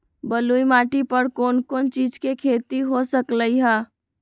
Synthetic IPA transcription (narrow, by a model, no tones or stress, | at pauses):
bəlujmaʈipəɾkonkont͡ʃid͡ʒkekʰet̪iɦosəkləjɦə